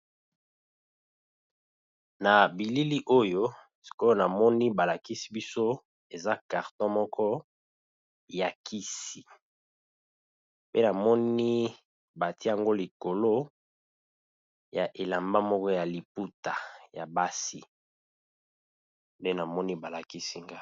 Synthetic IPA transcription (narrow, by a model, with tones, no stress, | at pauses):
na˨bi˨li˦li˦ʔo˦jo˦ | si̥˨ko˦na˨mɔ˦ni˦ba˨la˨ki˦si̥˦bi˦so˦ | e˨za˦ka˨ʁtɔ̃˦mɔ˦kʰɔ˦ | ja˨kʰi˦si˨ | pe˦na˨mɔ˦ni˦ | ba˨ti˦a˨ŋɡo˦li˨ko˨lo˦ | ja˨ʔe˨la˨mba˦mɔ˦kɔ˦ja˨li˨pu˦ta˨ja˨ba˦si˦ | nde˦na˨mɔ˦ni˦ba˨la˨ki˦si˦ŋɡa˦